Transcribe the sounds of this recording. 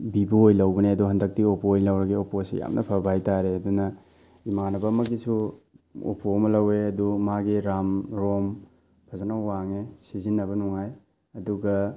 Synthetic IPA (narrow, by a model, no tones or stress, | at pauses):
bibuojlɐwbɐneɐduɦɐndɐk̚tiopoojlɐwɾɐɡioposḭja̰mnʔɐpʰɐbajtaɾeɐdunɐ | imanɐbɐmɐɡisu | o̰pomɐlɐweɐdumaɡiɾamɾom | pʰɐzanɐwːaŋesizinːɐbɐnuŋaj | ɐduɡɐ